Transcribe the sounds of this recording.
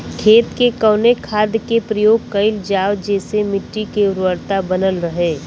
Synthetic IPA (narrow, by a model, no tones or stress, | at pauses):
kʰeːt̪kekɐːnekʰaːd̪jkepɾɐjoːɡ̚kɐɪld͡ʒaːwd͡ʒɛːsemɪʈːikeʊɾʋəɾt̪abɐnəlɾɐɦeː